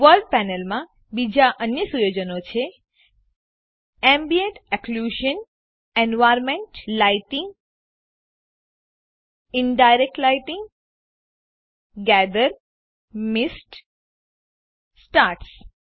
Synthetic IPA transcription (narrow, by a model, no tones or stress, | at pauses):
ʋəlɖ̚pɛnelmã | bid͡ʒaʔənjəsujod͡ʒənot͡ʃʰe | embieɳʈɛkluʒən | enʋajɾmẽɳʈlajʈĩŋɡ | ɪɳɖajɾek̚ʈlajʈiŋɡ | ɡɛd̪əɾ | misʈ | sʈaɾʈs